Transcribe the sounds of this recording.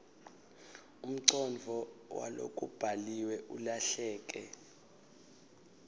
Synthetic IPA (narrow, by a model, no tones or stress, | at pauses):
um̩ǀɔnvʱɔwa̰lo̰kʼub̥ʱaliwɛʔulaɬɛːk̬ʼɛ